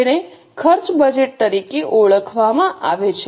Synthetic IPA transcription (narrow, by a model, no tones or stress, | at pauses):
ne | kʰəɾt͡ʃbəd͡ʒeʈ̚t̪əɾikeʔoɭəkʰʋamãʔaʋet͡ʃʰ